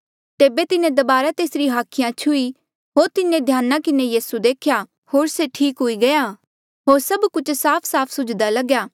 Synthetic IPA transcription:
t̪eːbet̪ɪnẽd̪ɐbaːɾat̪eːsɾiɦaːkʰɪjãt͡ʃʰʊi | ɦoːɾt̪ɪnẽd̪ʱjaːnakɪnejiːsud̪eːkʰja | hoːɾseʈʰiːkɦʊiɡɐja | ɦoːɾsɐbkʊt͡ʃʰsaːpʰsaːpʰsʊd͡ʒd̪alɐɡjaː

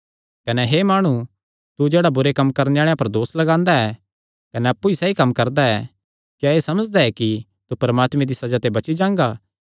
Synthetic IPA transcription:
kɐnɛɦeːmaːɽ̃ũ | t̪ud͡ʒeːɽabʊɾekɐmkɐɾneaːɭejãpɐɾd̪oːslɐɡãːnd̪aɛː | kɐnɛɐpːuisɛːikɐmːkɐɾd̪aɛ | kjaeːsɐməd͡ʒd̪aɛki | t̪upɐɾmaːt̪mẽd̪isɐd͡ʒat̪ebɐt͡ʃid͡ʒãːŋɡaː

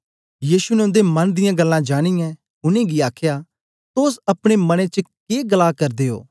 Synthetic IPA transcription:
jiːʃunɛʊ̃nd̪emɐnd̪ɪjãɡɐlːãd͡ʒaːɽ̃ijɛ̃ | ʊnẽɡiaːkʰja | t̪oːsɐpɽ̃emɐɽ̃et͡ʃəkeːɡɐlakɐɾd̪eːo̰ː

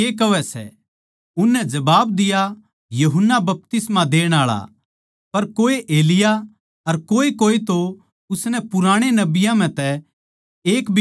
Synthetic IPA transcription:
eːkɐʋɛsɛ̰ | ʊnːɛd͡ʒɐbaːbd̪ɪja | juɦʊnːabɐp̚t̪ɪsmãd̪eːɽ̃aːɭa̰ | pɐɾkoːeʔeːlɪja | ɐɾkoːekoːet̪o | ʊsnɛpʊɾaːɽ̃enɐbɪjãm̤ɛ̃t̪ɛ | eːkbʱ

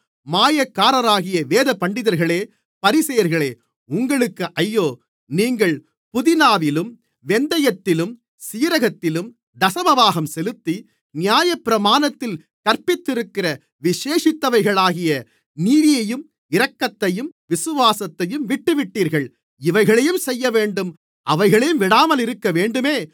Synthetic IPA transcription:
maːjɐkːaːɾɐɾaːɣɪjɐʋeːðɐpɐɳɖɪðɐɾɣɐɭeː | pɐɾɪsɐjɐɾɣɐɭeː | ʊŋɡɐɭɯkːɯʔɐjːoː | niːŋɡɐɭ | pʊðɪnaːʋɪlɯm | ʋɛnd̪ɐjɐt̪ːɪlɯm | siːɾɐɣɐt̪ːɪlɯm | d̪ɐsɐmɐʋaːɣɐmsɛlɯt̪ːi | nɪjaːjɐpːɪɾɐmaːnɐt̪ːɪl | kɐɾpɪt̪ːɪɾɯkːɪrɐ | ʋɪʂeːʂɪt̪ːɐʋɐɪɣɐɭaːɣɪjɐ | niːðɪjɐjɯm | ɪɾɐkːɐt̪ːɐjɯmʋɪsɯʋaːsɐt̪ːɐjɯmʋɪʈːɯʋɪʈːiːɾɣɐɭ | ɪʋɐɪɣɐɭɐjɯmsɛjːɐʋeːɳɖɯm | ʔɐʋɐɪɣɐɭɐjɯmʋɪɽaːmɐlɪɾɯkːɐʋeːɳɖɯmeː

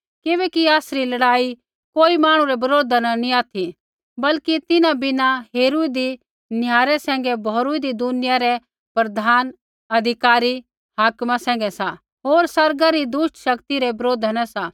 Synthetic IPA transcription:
kɪβɛːkiaːsɾilɐɽaːi | koːimaːɽ̃ũɾɛbɐɾoːd̪ʱananĩaːt̪ʰi | bɐlkit̪ɪnãbɪnaɦeːɾuid̪i | njaːɾɛsɛ̃ːŋɡɛbʱoːɾuid̪id̪ʊnɪjaɾɛ | pɾɐd̪ʱaːn | ɐd̪ʱɪkaːɾi | ɦaːkmasɛ̃ːŋ̆ɡɛsa | ɦoːɾsɐɾɡaɾid̪ʊʃʈʃɐkt̪iɾɛbɐɾoːd̪ʱnãsa

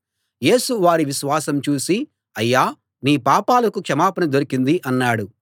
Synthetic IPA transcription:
je̞ːsuʋaːɾiʋiʃʋaːsɐmt͡ʃuːsi | ɐjːaː | niːpaːpaːlɐkukʂɐmaːpɐnɐd̪oɾikind̪iʔɐnːaːɽu

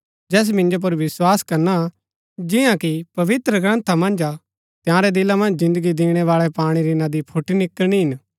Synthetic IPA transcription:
d͡ʒɛːs̬mɪ̃nd͡ʒop̬ɐɾʋɪswaːskɐɾna | d͡ʒɪjãkipɐʋɪt̪ɾəɡɾɐ̃nt̪ʰamɐ̃nd͡ʒa | t̪jãːɾɛd̪ɪlãmɐ̃nd͡ʒzɪ̃nd̪əɡid̪iːɽ̃ɛʋaːɭɛpaːɽ̃iɾinad̪ipʰʊʈnɪkːəñiɦɪn

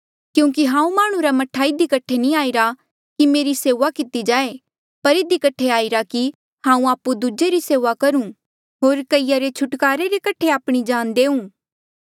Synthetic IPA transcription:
kjũːk̬iɦãːũmaːɽ̃ũɾamɐʈʰaɪd̪ikɐʈʰenĩaːiɾa | kimeːɾiseːʋakɪt̪id͡ʒaːe | pɐɾɪd̪ikɐʈʰeaːɪɾaki | hãːũaːpːud̪ud͡ʒeɾiseːʋakɐɾũ | ɦoːɾkɐijaɾet͡ʃʰʊʈkaːɾeɾekɐʈʰeaːpɽ̃id͡ʒaːnd̪eːũː

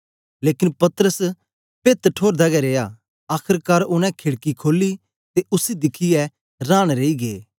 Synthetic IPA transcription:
leːkɪnpɐt̪əɾəs | pet̪ʈʰoːɾd̪aːɡɛɾeːjaː | aːkʰəɾkaːɾʊnɛ̃kʰɪɽkikʰoːlːi | t̪eʔʊsid̪ɪkʰiɛ | ɾaːɽ̃ɾeiɡeː

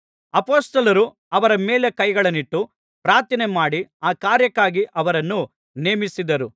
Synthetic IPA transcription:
ɐpoːst̪ɐlɐɾu | ɐʋɐɾɐme̞ːle̞kɐjɡɐɭɐniʈːu | pɾaːt̪inemaːɽiaːkaːɾjɐkːaːɡiʔɐʋɐɾɐnːu | neːmisid̪ɐɾu

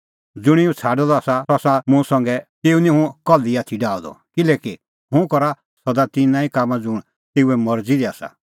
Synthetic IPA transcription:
d͡zʊɽ̃iũt͡sʰaːɖɔd̪ɔaːsaɔsãmũsɐ̃ŋɡɛt̪eːunĩɦũkɔliaːt̪ʰiɖaːɔd̪ɔ̰kɪlɛːki | ɦʊ̃kɔɾa | sɐd̪at̪ɪnãːikaːmad͡zʊɽ̃ | t̪eːuɛmɐɾd͡zid̪iaːsa̰

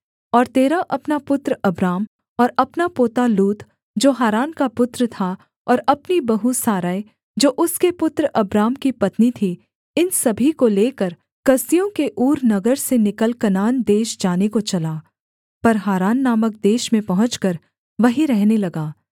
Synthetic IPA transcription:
ɔːɾt̪eːɾaʔɐpnapʊt̪ɾɐbɾaːm | ɔːɾɐpnapoːt̪aluːt̪ | d͡ʒoːɦaːɾaːnkapʊt̪ɾət̪ʰa | ɔːɾɐpnibɐɦusaːɾaːe | d͡ʒoːʔʊskepʊt̪ɾɐbɾaːmkipɐt̪nit̪ʰi | ɪnsɐbʱikoleːkəɾ | kɐsijõkeʔuːɾnɐɡəɾsenɪkəlkɐnaːnd̪eːʃd͡ʒaːnekot͡ʃɐlaː | pɐɾɦaːɾaːnːaːmək̚d̪eːʃmẽpɐɦʊ̃t͡ʃkɐɾ | ʋɐɦiɾɛɦnelɐɡaː

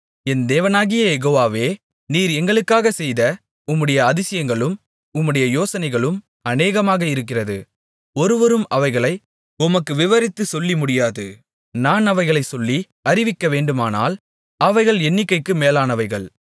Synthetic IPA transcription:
ɛnd̪eːʋɐnaːɣɪjɐjɛɣoːʋaːʋeː | niːɾɛŋɡɐɭɯkːaːɣɐsɛjðɐ | ʊmːɯɽɐjɐːðɪsɪjɐŋɡɐɭɯm | ʊmːɯɽɐjɐjoːsɐnɐɪɣɐɭɯm | ɐneːɣɐmaːɣɐɪɾɯk̬ːɪrɐðɯ | ɔɾɯʋɔɾɯmɐʋɐɪɣɐɭɐɪ | ʊmɐkːɯʋɪʋɐɾɪt̪ːɯsɔlːimʊɽɪjaːðɯ | naːnɐʋɐɪɣɐɭɐɪsɔlːi | ɐɾɪʋɪkːɐʋeːɳɖɯmaːna̰ːl | ɐʋɐɪɣɐɭɛnːɪkːɐɪkːɯmeːlaːnɐʋɐɪɣɐɭ

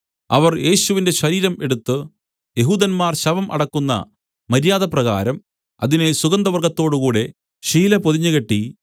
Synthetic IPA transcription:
ɐʋɐrje̞ːɕuʋinde̞ɕɐɾiːɾɐme̞ɽut̪ːɨ | jeɦuːd̪ɐnmaːrɕɐʋɐmʔɐ̰ɽɐkːunːɐ̰ | mɐɾjaːðɐprɐɣa̰ːɾɐm | ɐ̰ðinesuɣɐnd̪ɐʋɐrɡɐt̪ːo̞ːɽukuːɽe̞ | ɕiːlɐpoðiɲːɨɣɐʈːi

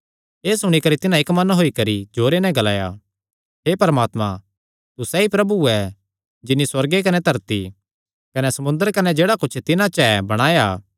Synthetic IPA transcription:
eːsʊɽ̃ikɐɾit̪ɪnãɪkmɐnɦoːikɐɾid͡ʒoːɾenɛ̃ɡɐlaːja̰ | ɦepɐɾəmaːt̪mã | t̪usɛipɾɐbuɛ | d͡ʒɪnːiswɐɾɡek̬ɐnɛt̪ɐɾt̪i | kɐnɛsɐmʊ̃nd̪əɾkɐnɛd͡ʒeːɽakʊt͡ʃʰt̪ɪnãt͡ʃɛbɐɽ̃aːjaː

